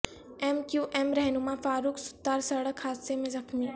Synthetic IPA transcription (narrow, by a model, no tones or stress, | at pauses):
eːmkjuːʔɛːmɾɛɦnʊmafaːɾuːksʊ̥t̪ːaːɾsɐɽəkhaːd̪semẽzɐxmiː